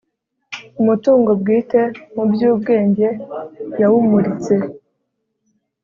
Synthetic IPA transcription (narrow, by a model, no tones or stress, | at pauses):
umutuːŋɡo̞b̚ɡiːte̞mubjuːb̚ɡe̞ːɲɟe̞jawumuɾit͡se̞